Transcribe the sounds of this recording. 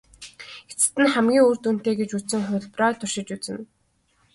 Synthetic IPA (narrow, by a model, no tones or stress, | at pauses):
et͡sɘ̥̆t̪ɘ̆nχæmɡʲiːŋuːrt̪un̥t̪eːɡet͡ɕusɘ̆ŋχʊ̟ɮpraːt̪ʰʊrʃɪ̆t͡ɕut͡sɘ̆n